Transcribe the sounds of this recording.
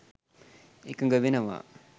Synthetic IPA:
ekɐŋɡɐʋenɐʋa̰ː

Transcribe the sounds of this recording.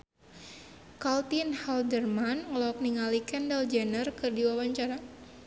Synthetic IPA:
kalt̪inhaldərmanŋəlɔk̚niŋalikɛndəld͡ʒɛnərkɨrdiwawaɲt͡ʃaɾa

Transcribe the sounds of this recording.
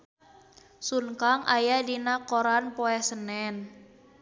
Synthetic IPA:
suŋkaŋʔajadinakoɾanpɔɛsənɛn

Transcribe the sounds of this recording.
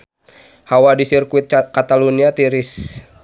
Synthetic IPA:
hawadisirkuit̪̚kat̪aluniat̪iɾis

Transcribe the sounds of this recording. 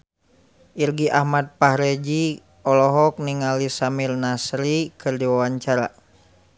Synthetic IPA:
ʔirɡiʔahmat̪̚pahɾɛd͡ʒi | ɔlɔɦɔk̚niŋalisamirnasɾikɨrdiwawaɲt͡ʃaɾa

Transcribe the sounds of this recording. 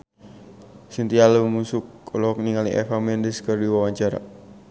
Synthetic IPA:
sint̪ialəmusukːɔlɔɦɔk̚niŋalḭʔɛ̰famɛndiskərdiwawaɲt͡ʃaɾa̰

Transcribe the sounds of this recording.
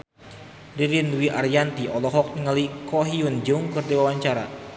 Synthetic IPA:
riɾinwiʔaɾjant̪iʔɔlɔɦɔk̚niŋalikɔɦiund͡ʒuuŋkɨrdiwawaɲt͡ʃaɾa̰

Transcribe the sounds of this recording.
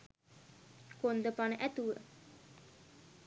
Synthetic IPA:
kond̪əpanəʔɛt̪uə

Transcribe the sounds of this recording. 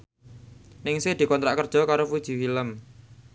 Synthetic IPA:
nɪŋsed̪̥i̤kɔnt̪ɾaʔkərd̥ʒ̥ɔ̤kaɾofud̥ʒ̥i̤filəm

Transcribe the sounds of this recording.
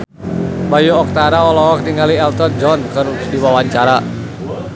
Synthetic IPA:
bajuɔk̚t̪aɾaɔlɔɦɔk̚diŋaliɛlt̪ɔrd͡ʒɔnkəɾusdiwawaɲt͡ʃaɾa

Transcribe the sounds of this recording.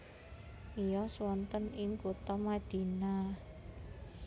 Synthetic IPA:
ʔijɔswɔnt̪ənɪŋkut̪ɔmad̪̥i̤na

